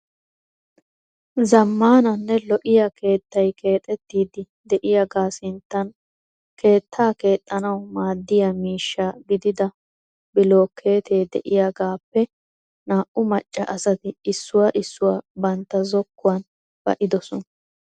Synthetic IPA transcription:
zɐmːaːnɐnːɛlɔʔɪjɐkʰe̞ːt̪ːɐjkʰe̞ːt̪ʼɛt̪ːiːd̪ɪ | d̪ɛʔɪjaɡaːsɪnt̪ːɐn | kʰe̞ːt̪ʰːaːke̞ːt̪ʼːɐnɐwmaːd̪ːɪjamiːʃːaːɡɪd̪ɪd̪ɐ | bɪlo̞ːkʰːe̞ːt̪ʰe̞ːd̪ɛʔɪjaɡaːpːɛ | naːʔʊmɐt͡ʃʼːɐ̰ʔɐsɐt̪ɪɪsːʊwaʔɪsːʊwaːbɐnt̪ːɐzɔkːʊwɐn | b̥ɐ̰ʔɪd̪ɔsɔnɐ

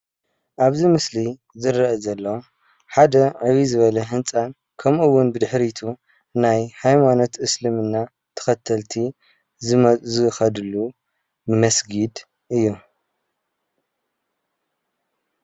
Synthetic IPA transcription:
ʔaβzimɨsli | zɨɾɐɐzɐlːɐw | ħad̪ɐʕɨβizɨβɐlɐɦɨnt͡sʼan | kʰɐmʔuwːʊnbɨd̪ɨħɾit̪ʰu | najhajmano̞t̪ʔɨslɨmɨnːa | t̪ʰɐ̥xɐt̪ʰɐlt̪ʰi | zɨxɐd̪ɨlːu | mɐsɡid̪ | ʔɨjːu

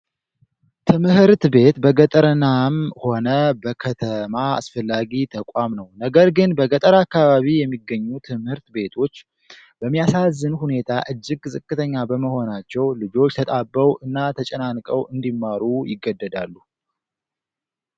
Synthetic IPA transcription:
t̪ʰɨmhɨɾt̪be̞t̪bəɡət̪ʼəɾɨnamho̞nəbəkʰət̪ʰəmaa̰sfəlːaɡit̪ʰəkʼamnəwnəɡəɾɡɨnbəɡət̪ʼəɾakːaβaβijɛmːiɡːəɲːut̪ʰɨmhɨɾt̪be̞t̪ʰo̞t͡ʃː | bəmːijasazːɨnhune̞t̪ʰaʔɨd͡ʒːɪɡzɨkʼːɨt̪ʰəɲːabəməho̞nat͡ʃːɛwlɨd͡ʒo̞t͡ʃːt̪ʰət̪ʼabːəwɨnːat̪ʰət͡ʃʼɛnankʼəwʔɨnd̪imːaɾujɪɡːəd̪ːəd̪a̰lːu

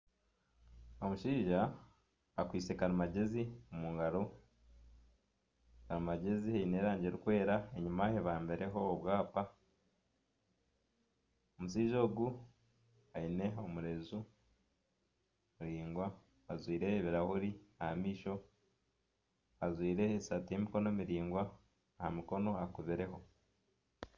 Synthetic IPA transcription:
omuʃiːʒaː | kwiːse̞kaɾimaɟe̞ziomuŋɡaɾo̞ | kaɾimaɟe̞zihaine̞ːɾaːɲɟe̞ɾikwe̞ːɾaeɲumaheβaːmbe̞ɾe̞ɦo̞ːβwaːpa | omusiːʒo̞ːɡu | aine̞omuɾe̞zu | muɾiːŋɡwa | azwiːɾe̞βiɾahuɾiahamiːʃo̞ | azwiːɾe̞esatemiko̞nomiɾiːŋɡwaː | hamiko̞no̞akuβiɾe̞ɦo̞

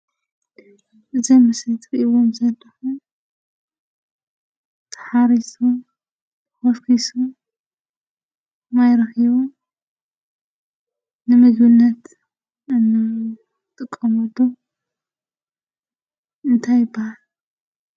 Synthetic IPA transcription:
ʔɨzɐmɨsɐjt̪ʰɨɾʔiwomzɐlːɐxu | t̪ʰɐ̥ħaɾisu | xofkʰisu | majɾɐxiβu | nɨmɨzunːɐt̪ | n | t̪ʼɨkʼːɐmɐt̪ːo | ɨnt̪ʰajɨbːahal

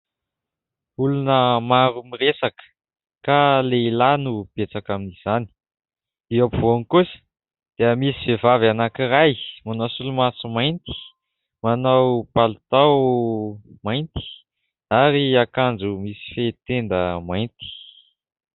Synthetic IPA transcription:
ulunəmaɾumiɾesakə̥ | kaleilanub̥et͡sakaminiz̥ani̥ | d̪̥iapvoŋkusə̥ | d̪̥eəmisivevavanakiɾajmanawsulumasumajnt̪i̥ | manawpalut̪aw | majnt̪i̥ | aɾiakand͡zumisi̥fet̪end̪əmajnt̪i̥

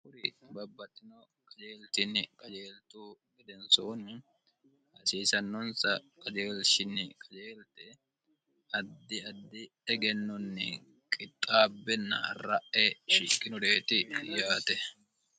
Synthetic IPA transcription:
ʊɾɪbɐbːɐt̪ʼːɪnɔ | kʼɐd͡ʒeːlt̪ɪnːɪkʼɐd͡ʒeːlt̪uːɡɛd̪ɛnsoːnɪ | hɐsiːsɐnːɔnsɐkʼɐd͡ʒeːlʃɪnːɪkʼɐd͡ʒeːlt̪ɛ | ɐd̪ːɪɐd̪ːɪ | ɛɡɛnːɔnːɪ̰ | kʼɪt̪ʼːaːbːɛnːɐ̰rɐ̰ʔɛʃɪkʼːɪnɔd̪eːt̪ɪjaːt̪ɛ

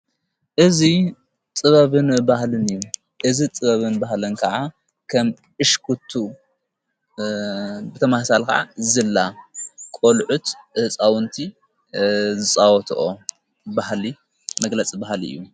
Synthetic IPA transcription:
ʔɨzi | t͡s̪ʼɨβɐβɨnbahlɨnɨjːu | ʔɨzit͡s̪ʼɨβɐβɨnbahlɨnkʰɐʕa | kʰɐm | ʔɨʃkʰut̪ʰːu | bɨt̪ʰɐmahsalka̰ʕa̰zɨlːakʼolʕut̪ɨhɨt͡sʼawʊnt̪ʰi | zɨt͡sʼawɔt̪ʰʔo | bahli | mɐɡlɐt͡sʼibahlḭɨ̰jːu

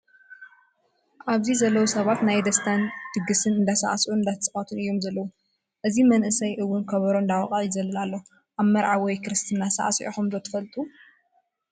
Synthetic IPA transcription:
ʔaβzizɐlːɐwosɐβat̪najd̪ɐst̪ʰand̪̥ɨɡɨsɨnɨnd̪asa̰ʔasʔuɨnd̪at̪ʰɐsʼɨχʼɐt̪ʰunɨjːo̞mzɐlːɐwu | ʔɨzimɐnʔɨsɐjʔɨwːʊnkʰɐβɐɾoɨnd̪awqʼajɪzɐlːɐlalːo̞ | ʔaβmɐɾʕawɔjkɾɨst̪ʰɨnːasɐ̰ʔa̰sʔḭxumzot̪ʰɨ̥fɐlt̪ʼu

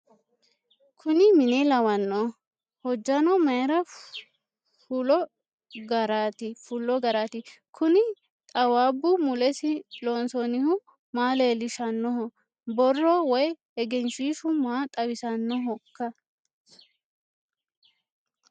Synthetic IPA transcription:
kʰʊnɪmɪnɛlɐwɐnːɔ | hɔd͡ʒːɐnɔmɐjɛɾɐ | fʊlɔ | ɡɐɾaːt̪ɪfʊlːɔɡɐɾaːt̪ɪkʰʊnɪ | t̪ʼɐwaːbːʊmʊlɛsɪloːnsɔnɪhʊ | maːleːlɪʃɐnːɔɦɔ | bɔrːɔwɔj | ɛɡɛnʃiːʃʊmaːt̪ʼɐwɪsɐnːɔɦɔkːɐ

